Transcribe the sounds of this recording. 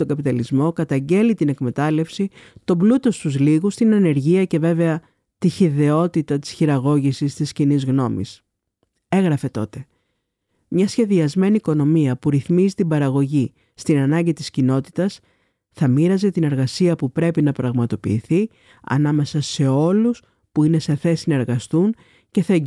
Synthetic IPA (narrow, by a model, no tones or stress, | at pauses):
oŋɡɐpit̪ɐlizmo̞kɐt̪ɐɲɟe̞lit̪ine̞kme̞t̪ɐle̞fsit̪o̞blut̪o̞st̪uzliɣust̪inɐne̞ɾʝiɐce̞ve̞ve̞ɐ | t̪içiðe̞o̞t̪it̪ɐt̪i̥sçiɾɐɣo̞ʝisist̪iscinizɣno̞mḭs | e̞ɣɾɐfe̞t̪o̞t̪e̞ | mɲɐsçe̞ðiɐzme̞niːko̞no̞miɐpuɾiθmizit̪ibɐɾɐɣo̞ʝi | st̪inɐnɐɲɟit̪iscino̞t̪i̥t̪ɐs | θɐmiɾɐzet̪ine̞ɾɣɐsiɐpupɾe̞pinɐpɾɐɣmɐt̪o̞pḭːθi | ɐ̰nɐme̞sɐse̞o̞lus | puine̞se̞θe̞sinɐe̞ɾɣɐst̪un | ce̞θɐe